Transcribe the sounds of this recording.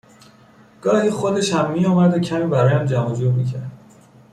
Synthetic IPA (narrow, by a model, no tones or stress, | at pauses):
ɡ̥ɒːhiːxod̪e̞ʃhæmːiɒːmæd̪ocʰæmiːbæɾɒːjæmd͡ʒæmɒd͡ʒuːɾmicʰæ̰ɾd̪̚